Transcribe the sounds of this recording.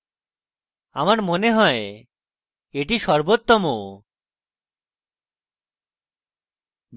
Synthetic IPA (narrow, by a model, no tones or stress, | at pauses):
a̰maɾmoneɦɔe | eʈiʃɔɾbot̪ːomo